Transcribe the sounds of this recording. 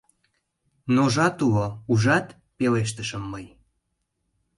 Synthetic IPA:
noʒɑt̪ulouʒɑt̪ | peleʃ̬t̪əʃəmːəj

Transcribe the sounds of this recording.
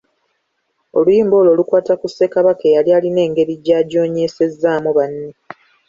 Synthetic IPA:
o̞̰lujiːmbo̞ːlo̞lukwaːtakuse̞kaβakejalijaːline̞ːŋɡe̞ɾiɟaːɟo̞ːɲe̞se̞zaːmuβanːe

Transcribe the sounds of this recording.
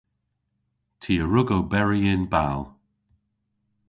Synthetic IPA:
tʰiːəɹʊɡowbɛɹiɪnbalˠ

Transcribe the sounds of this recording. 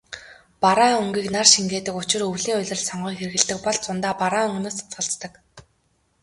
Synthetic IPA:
paɾaːɵŋɡiːknarʃiŋɡeːt̪ɘ̆kʊt͡ɕɪ̆rɵwɮiːŋʊɮʲə̆r̆ɮsɔɴɢiːŋxerɘ̆ɣɘ̆ɮt̪ɘ̆k̚pɔɮt͡sʊnt̪aːpaɾaːɵŋɡ̆noːst͡sχə̆ɬt͡st̪ə̆k

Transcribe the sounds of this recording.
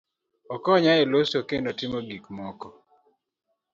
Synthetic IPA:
ɔkɔɲaelosokendotɪmoɡikmɔkɔ

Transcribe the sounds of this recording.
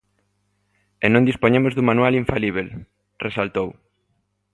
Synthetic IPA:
enõnd̪ispoɲemʊzðumanualiɱfaliβ̞el | resalt̪ow

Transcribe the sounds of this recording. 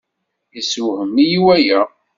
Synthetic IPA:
isuhəmːijiwæjæ

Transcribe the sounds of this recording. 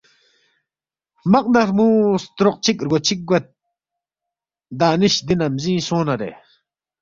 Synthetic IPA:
maq̚naɾmust̪ɾɔq̚t͡ʃik̚ɾɡot͡ʃik̚ɡat̪̚ | d̪aniɕd̪inamzĩsoːnaɾḛ

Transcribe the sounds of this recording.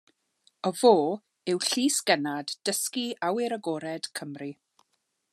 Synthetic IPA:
əv̥oː | ɪwɬiːsɡ̥ɛnadd̥əskiawɪɾəɡoːɾɛd̥kʰəmri

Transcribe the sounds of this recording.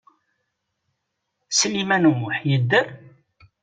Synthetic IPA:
səlimænumːʊħjəd̪ːəɾ

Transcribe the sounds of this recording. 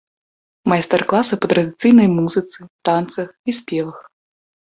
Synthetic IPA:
mɐjst̪ɛrklˠasɨpɐt̪ɾɐd̪ɨt̪sɨjnɐjmuzɨt̪sɨt̪ant̪sɐxisʲpʲɛvɐx

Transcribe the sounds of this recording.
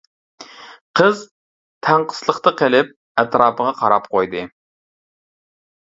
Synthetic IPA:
qʰəz | t̪ʰæɴqʰə̥slˠəχt̪ɑqʰelɪp̚ | æt̪ɾɑːpʰəʁɑqʰɑɾɑp̚qʰojd̪ɨ

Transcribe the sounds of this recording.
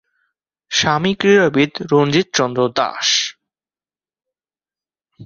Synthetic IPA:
ʃamikɾiɾabid̪ɾond͡ʑit̪̚t͡ɕɔnd̪ɾod̪a̰ʃ

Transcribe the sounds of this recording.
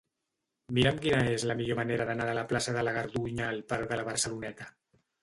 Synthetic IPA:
miɾəmkinəezləmiʎoməneɾəðənaðələplasəðələɣ̞əɾðuɲaːlpaɾðələβəɾsəlunɛt̪ə

